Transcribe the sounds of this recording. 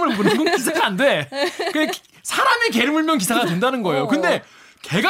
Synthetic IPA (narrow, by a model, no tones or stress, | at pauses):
mɯɾɯmbonɯŋɡokisʰaɡaande̞kɯ | sʰaɾamike̞ɾɯmuɭmjʌŋk̬isʰaɡatwe̞ndanɯnɡʌe̞jokɯnde̞ | ke̞ɡ